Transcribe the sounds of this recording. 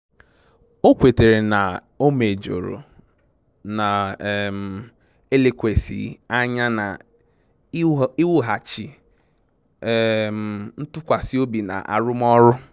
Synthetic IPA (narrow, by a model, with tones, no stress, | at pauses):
o˦kʷe˨te˨ɾe˨na˨ | o˦me˨d͡ʒo̰˨ɾo̰˨ | na˨m̩˨ | e˦le˨kʷe˨sḭ˨a˦ɲa˦na̰˨ | i˦wʊ˦ɦa˨t͡ʃi˨ | m˨n̩˦tʊ˦kʷa˨si˦o˦bi˨na̰˨ʔa̰˨ɾʊ˦m˦ɔ˦ɾʊ˦